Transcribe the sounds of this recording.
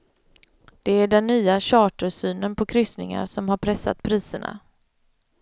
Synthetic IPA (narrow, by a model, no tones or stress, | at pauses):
d̪̥ɛæɖɛnːyːaɕɑːʈəʂyːnənpʰɔkʰɾʏsnɪŋa̰ɾsɔmhaɾpʰɾɛsːa̰t̪pʰɾiːsəɳa̰